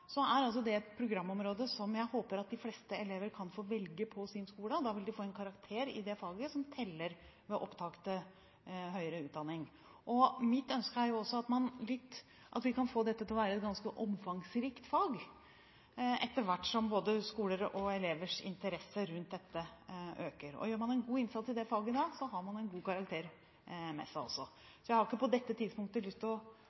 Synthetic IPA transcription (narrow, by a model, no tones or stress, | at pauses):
sɔæɾɑls̬ɔd̪ɛɛt̪pʰɾʊɡɾɑmːɔmɾoːd̪əsɔmjæɪhoːpəɾɑt̪̚d̪ɪfleːst̪əɛleːʋəɾkʰɑnfoːʋɛlɡəpʰɔsɪnskuːləd̪ɑːʋɪld̪ɪfoːɛnkʰɑɾɑkt̪ʰeːɾɪ̰d̪ɛfɑːɡəsɔmt̪ʰɛlːəɾʋɛʔɔpt̪ʰɑkt̪ə | ɦœʏɾəʉːt̪̚d̪ɑnːɪŋ | ʔɔmɪt̪ːœnskəæɾjʊɔsːɔɑt̪mɑnlɪt̪ː | ʔɑ̰t̪ʋɪkɑnfoːd̪ɛt̪ːət̪ɪlɔʋæːɾəɛt̪̚ɡɑnskəʔɔmfɑŋsɾiːkt̪fɑːɡ | ɛt̪ːəɾʋæʈːʂɔmboːd̪əskuːləɾɔɛleːʋəʂɪ̰nt̪əɾɛsəɾʉnt̪̚d̪ɛt̪ːəʔøːkəɾɔ̰jøːɾmɑnɛnɡuːɪnsɑt̪sɪld̪ɛfɑːɡəɪd̪ɑːɡsɔɦɑɾmɑnɛnɡuːkɑɾɑk̚t̪ʰeːɾ | mɛ̰sæɪɔ̰sːɔ | sɔjæhɑɾɪkːəpɔd̪ɛt̪ːət̪ʰɪd̪spʊŋkt̪əlʏst̪ʰɪlɔ